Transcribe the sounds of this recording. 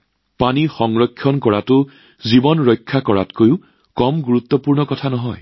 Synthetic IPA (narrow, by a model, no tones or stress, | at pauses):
panixɔŋɹɔkʰːjɔnkɔɹatʊ | zibɔnɹɔjkʰːakɔɹa̰tkojʊ | kɔmɡuɹut̪ːɔpuɹnɔkɔtʰanɔɦɔj